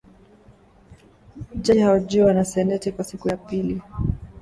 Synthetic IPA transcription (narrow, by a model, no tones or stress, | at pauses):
d͡ʒɛhaɔʄuwanasɛnɛtikwasikujapili